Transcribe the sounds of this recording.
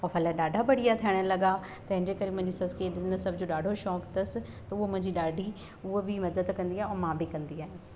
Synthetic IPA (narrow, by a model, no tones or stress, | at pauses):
ɔːfɐlaɗaːɖʱabɐɽ̤ijat̪ʰiəɽ̃əlɐɡa | t̪ɐ̃ɦɪ̃ɲd͡ʑekɐɾemʊ̃ɦɪ̃ɲd͡ʑisɐskeɗɪnəsɐbʱd͡ʑoɗaːɖʱoʃɔːkt̪ɐsɪ̆ | t̪ɐʊɦomʊ̃ɦɪ̃ɲd͡ʑiɗaːɖʱi | ʊɦobɪmɐd̪əd̪kɐ̃nd̪iaːɦeɔːmãːbɪkɐ̃nd̪iaːɦɪnɪsɪ̥